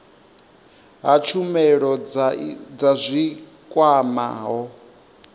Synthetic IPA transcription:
ɦat͡ʃʰumɛɺɔ | d͡zazʷi | kʼwama̰ɦɔ

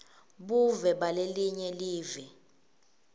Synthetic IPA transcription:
ɓuvɛɓaleliɲɛliːvɛ

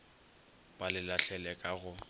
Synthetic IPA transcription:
b̥alɪlaɬɛlɛkʼaɣʊ

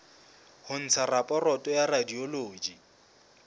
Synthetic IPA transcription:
hʊn̩t͡sʰarapʼɔrɔtʼɔjaradioloːd͡ʒi

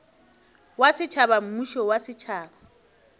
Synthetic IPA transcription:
wasɪt͡ʃʰabam̩muʃɔwasɪt͡ʃʰaːba

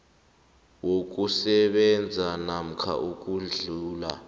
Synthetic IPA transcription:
wok̬usɛɓɛnd͡zʱanam̩kʰa̰ʔuk̬ʼuɮuːla̰

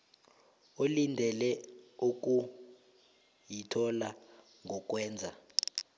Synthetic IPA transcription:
olindʱɛlɛuk̬ʼu | jitʰɔla | ŋʱɔk̬ʼwɛːnd͡zʱa

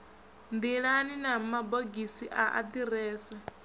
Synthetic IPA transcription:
nd̪iɺaninamaboɡisiʔaʔa̰d̪iɾɛːsa

